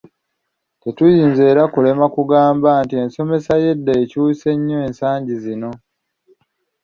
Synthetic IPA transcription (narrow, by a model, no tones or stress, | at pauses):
te̞tujiːnzeːɾakule̞makuɡaːmbaːntie̞nso̞me̞saje̞dːaecuːse̞ɲːo̞eːnsaːɲɟizino̞